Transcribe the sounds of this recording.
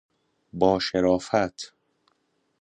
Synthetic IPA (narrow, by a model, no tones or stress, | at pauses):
bɒːʃeɾɒːfæt̪ʰ